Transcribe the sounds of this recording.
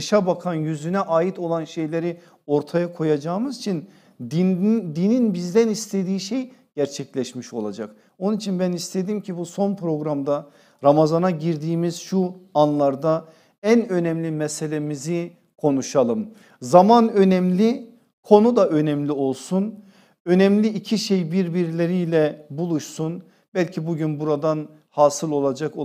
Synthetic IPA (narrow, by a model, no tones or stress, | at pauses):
ʃabakʰanjyzynɛʔaːjit̪ʰo̞lˠanʃe̞jlʲeɾi | o̞ɾt̪ʰajakʰo̞jad͡ʒaːmɯzit͡ʃʰin | d̪id̪ininbizd̪ænist̪ʰe̞d̪iːʃe̞jɟ̥æɾt͡ʃʰɛclʲɛʃmiʃo̞̰lˠa̰d͡ʒak | onunit͡ʃʰinbænist̪ʰe̞d̪imcʰibuso̞npʰɾo̞ɡɾamd̪a | ɾamazanaɟiɾd̪iːmiz̥ʃuanlˠaɾd̪a | ænø̞nɛmlʲimɛse̞lʲemizi | kʰo̞nuʃalˠɯm | zamanø̞nɛmlʲi | kʰo̞nud̪aʔø̞nɛmlʲio̞lˠsun | ø̞nɛmlʲiːcʰiʃe̞jbiɾbiɾlʲeɾijlʲɛbulˠuʃsun | b̥ælʲcʰibuɟynbuɾad̪an | haːsɯlˠo̞lˠad͡ʒak